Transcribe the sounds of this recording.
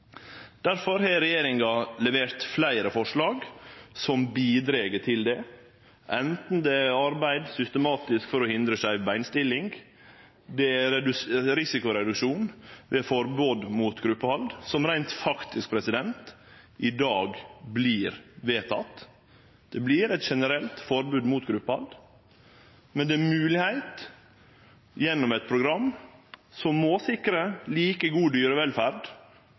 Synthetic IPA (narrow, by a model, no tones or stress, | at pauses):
d̪̥æɾfɔɾhɛɾɛjeːɾɪŋɡɑlɛʋeːɾt̪flæɪɾəfɔʂlɑːɡsɔmbiːd̪ɾeːɡəʈʰɪld̪ɛ | ʔɛnt̪n̩d̪ɛɑɾbæɪd̪sʏst̪əmɑːt̪ɪskfɔɾɔhɪnd̪ɾəsæɪʋæɪnst̪ɪlːɪŋɡ | d̪ɛæɾɛd̪ɾɪsɪkʊɾɛd̪ʉkʂuːnʋɛfɔɾboːd̪muːt̪ɡɾʉpːəhɑld̪sɔmɾæɪnt̪fɑkt̪ʰɪsk̚pʰɾɛsɪd̪ɛnt̪ | ʔɪd̪ɑːɡbliːɾʋeːt̪ʰɑ̰t̪ː | d̪̥ɛblɪɾɛt̪ʃɛnəɾɛlt̪fɔɾbʉːd̪muːt̪ɡɾʉpːəhɑ̰ld̪ | mɛnd̪ɛmʉːlɪhæɪt̪ | jɛnːɔmɛt̪̚pʰɾʊɡɾɑmːsɔmːoːsɪkɾəliːkəɡuːd̪yːɾɔʋɛlfæɾd̪